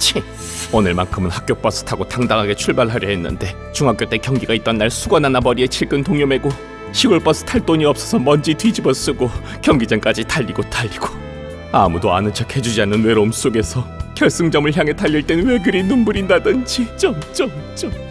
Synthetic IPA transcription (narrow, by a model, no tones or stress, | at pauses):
t͡ɕʰi | onɯɭmankʰɯmɯnhak͈jop͈ʌs͈ʰɯ̥tʰaɡotaŋdaŋɦaɡe̞t͡ɕʰuɭbaɭɦaɾjʌɦenːɯ̰nde̞ | t͡ɕuŋɦak͈jot͈e̞kjʌŋɡiɡait̚t͈ʌnːaɭsʰuɡʌnanabʌɾie̞t͡ɕʰiɭɡɯntoŋjʌme̞ɡo | ɕʰiɡɯɭp͈ʌs͈ʰɯ̥tʰaɭt͈oɲiʌp̚s͈ʌsʰʌmʌnd͡ʑitwid͡ʑibʌs͈ɯɡo | kjʌŋɡid͡ʑank͈ad͡ʑitaʎːiɡotaʎːiɡ̥o̥ | a̰mudoanɯnt͡ɕʰʌkʰe̞d͡ʑud͡ʑianːɯnwe̞ɾoms͈oɡe̞sʰʌkjʌɭs͈ɯŋd͡ʑʌmɯɭçjaŋe̞taʎːiɭt͈e̞nwe̞ɡɯɾinumbuɾindadɯnd͡ʑit͡ɕ͈ʌmt͡ɕʌmt͡ɕ͈ʌ